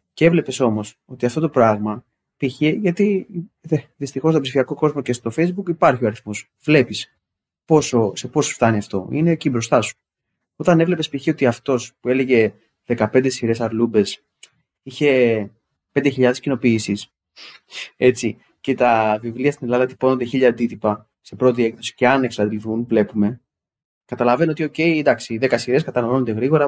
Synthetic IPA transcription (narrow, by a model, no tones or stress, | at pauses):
cee̞vle̞pe̞so̞mo̞s | o̞t̪iɐft̪o̞t̪o̞pɾɐɣmɐ | piçiʝɐt̪i | ðist̪ixo̞st̪opsifiɐko̞ko̞zmo̞ce̞st̪o̞fe̞jzbukipɐɾçio̞ɐɾiθmos | v̥le̞pis | po̞so̞sepo̞so̥ft̪ɐniɐft̪o̞̰ine̞ːcibɾo̞st̪ɐsu̥ | o̞t̪ɐne̞vle̞pe̞spiçio̞t̪iɐft̪o̞spue̞le̞ʝe̞ | ðe̞kɐpe̞nd̪e̞siɾe̞sɐɾlube̞s | içe̞ | pe̞nd̪e̞çiʎɐðe̞scino̞piːsis | e̞t͡si | ce̞t̪ɐvivliɐst̪ine̞lɐðɐt̪i̥po̞nond̪e̞çiʎɐːnd̪it̪ipɐ | se̞pɾo̞t̪ie̞kθo̞si̥ce̞ɐne̞ksɐd̪ilθunvle̞pume̞ | kɐt̪ɐlɐve̞noot̪io̞ce̞ind̪ɐksiðekɐsiɾe̞skɐt̪ɐnoloond̪eɣɾiɣoɾɐ